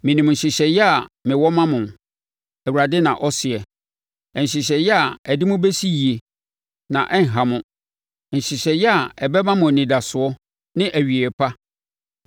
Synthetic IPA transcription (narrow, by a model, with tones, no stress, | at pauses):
mɪ̃˨nĩ˨mɲ̩˨ɕɪ˨ɕɛ˨jɛ˦a˨mɪ̃˨wɔ˦mã˦mʊ̃˨n | æ˨wu˨ɾa˨dɪ˦nã˨ʔɔ˦sɪ˨ɛ˨ | ɕɪ˨ɕ̬ɛ˨jɛ˦a˨æ˨dɪ˦mʊ̃˦be˦si˦ji˨e˨ | nã̰˨ʔɛ˦ŋ̩˨ɦã˨mʊ̃˦ | n̩˨ɕɪ˨ɕɛ˨jɛ˦a˨ɛ˨bɛ˦mã˦mʊ̃˨nĩ˨da˨sʊ˨ɔ˦ | nɪ̃˦ʔæ˨ɥi˨ɛ˨pʰa˦